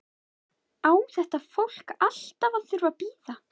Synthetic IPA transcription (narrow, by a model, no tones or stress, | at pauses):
aːwθɛht̪afowl̥kal̥t̪avaθʏɾvapiːða